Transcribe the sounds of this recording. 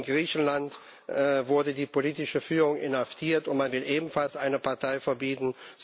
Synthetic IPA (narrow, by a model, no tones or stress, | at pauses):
nɡʁiːçn̩lant | ɛvʊɐdədiːpʰoliːtɪʃəfyːʁʊŋɪnhaftʰiːɐtʊntmanvɪlʔeːbm̩falsʔaɪnəpʰaɐtʰaɪfɛɐbiːtn̩z